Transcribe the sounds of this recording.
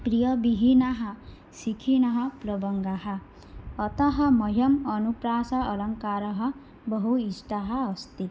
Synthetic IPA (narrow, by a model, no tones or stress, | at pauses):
pɾijʌbiɦinaɦʌ | sikʰinʌɦʌplʌbʌŋɡaɦʌː | t̪ʌɦʌmʌɦjʌmʌnupɾasaʌlʌŋkaɾʌɦʌ | bʌɦuisʈaɦʌːst̪it̪